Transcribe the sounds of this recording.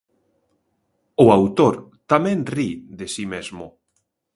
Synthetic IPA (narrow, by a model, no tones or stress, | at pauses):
ʊawt̪oɾt̪amɛ̃nriðesimezmʊ